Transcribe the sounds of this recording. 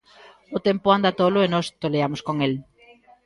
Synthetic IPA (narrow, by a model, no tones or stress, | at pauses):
ʊt̪empʊand̪at̪olʊenɔst̪oleamʊskoŋel